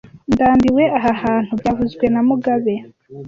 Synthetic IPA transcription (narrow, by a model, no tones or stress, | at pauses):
ndaːmbiwe̞ʔaɦahaːn̥hubjavuzɡwe̞namuɡaβe